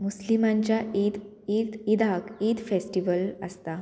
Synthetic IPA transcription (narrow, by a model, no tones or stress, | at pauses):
muslimãɲt͡ɕjaid̪ | it̪id̪akid̪fesʈiʋələst̪a